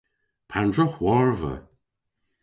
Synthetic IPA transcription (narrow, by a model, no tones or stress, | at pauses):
pʰandɹəxwɔɹvə̰